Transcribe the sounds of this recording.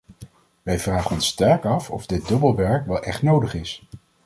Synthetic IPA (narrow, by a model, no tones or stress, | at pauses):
ʋɛjvraːχənɔnstɛɹkɑfɔ̰vdɪt̚dɵbəlˠʋɛɹkʋɛlˠʔɛχtnowdəχɪs